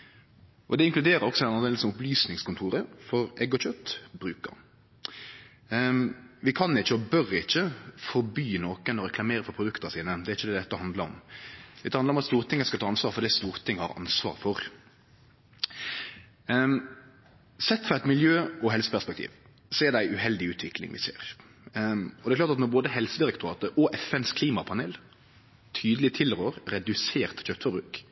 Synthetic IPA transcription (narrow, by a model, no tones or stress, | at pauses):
ʔɔd̪ɛɪŋklʉd̪eːɾəɾɔksɔɛnnɑd̪eːlsɔmʊplyːsnɪŋskʊnt̪ʰuːɾəfɔɾʔɛɡɔçœt̪ːbɾʉːkə̰ɾ | ʋɪkʰɑnːɪçːəɔbœɾɪçːəfɔɾbyːnoːkənɔɾɛkʰlɑmeːɾəfɔɾpʰɾʊd̪ʉkt̪əsiːnəd̪ɛɾɪçːəd̪ɛːd̪ɛt̪ːəhɑnd̪lɑəɾɔ̰md̪ɛt̪ːəhɑnɾɔmɑt̪st̪uːʁət̪ʰɪŋːəskɑt̪ʰɑːɑnsʋɑːɾfɔɾd̪ist̪uːʁt̪ʰɪŋːhɑ̰ɾɑ̰nsʋɑ̰ːɾfɔɾ | sɛt̪ːfɔɾɛt̪mɪljøːɔɦɛlsə̥pʰæspɛkt̪ʰḭːʋ | sɔɛd̪æɪʔʉhɛld̪ɪʉːt̪ʰʋɪklɪ̰ŋʋɪ̰sḛːɾ | ɔd̪ɛklɑːɾt̪ɑt̪nɔɾboːd̪əɦɛlsəd̪ɪɾɛkt̪ʊɾɑːt̪əɾɔʔɛfɛnskʰliːmɑpʰɑneːl | t̪ʰyːd̪əlɪt̪ʰɪlɾøːɾɾɛd̪ʉseːʁt̪çøːpt̪fɔɾbɾʉ̰ːk